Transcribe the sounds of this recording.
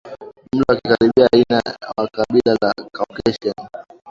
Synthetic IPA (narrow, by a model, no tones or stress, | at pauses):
mm̩ɗaakikaɾiɓiainawakaɓilala̰kakɛʃɔn